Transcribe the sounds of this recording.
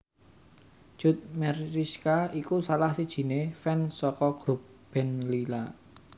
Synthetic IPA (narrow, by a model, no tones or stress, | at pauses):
ʒ̥ʊ̤t̪̚mɛɾiskaikusalahsid̥ʒ̥i̤nefɛnsɔkɔɡ̥ɾup̚ | b̥ɛ̤nlila̰